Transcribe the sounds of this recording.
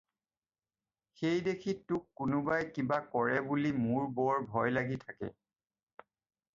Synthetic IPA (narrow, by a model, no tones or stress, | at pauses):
xejdekʰitːʊkːʊnʊbajkibakɔɹɛbulimʊɹbɔɹbʱɔjlaɡitʰakɛ̰